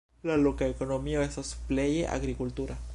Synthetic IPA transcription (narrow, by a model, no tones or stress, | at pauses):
lalokaekonomioesasu̥pleʝḛʔa̰ɣɾikult̪uɾa